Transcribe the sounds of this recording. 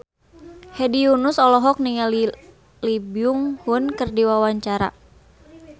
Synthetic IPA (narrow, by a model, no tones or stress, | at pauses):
hɛdiunusɔlɔɦɔk̚niŋal | libiuŋhunkɨrdiwawaɲt͡ʃaɾa̰